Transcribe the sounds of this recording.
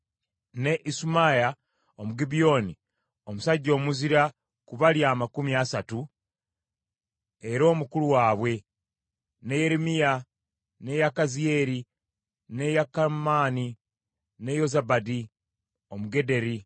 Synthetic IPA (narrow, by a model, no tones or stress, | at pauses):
ne̞ʔisumaja | omuɡibijo̞ni | omusaɟːo̞ːmuziɾa | kuβaljaːmakumiasatu | eɾo̞ːmukuluwaːβwe̞ | ne̞je̞ɾemija | ne̞jakazie̞ɾi | nejakamaːni | ne̞jo̞zabadi | o̞muɡe̞de̞ɾi